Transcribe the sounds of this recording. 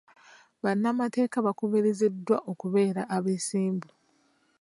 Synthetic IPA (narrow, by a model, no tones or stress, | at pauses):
βanːamate̞ːkaβakoβeɾezedːwaʔo̞kuβe̞ːɾaʔːβeːsiːmbu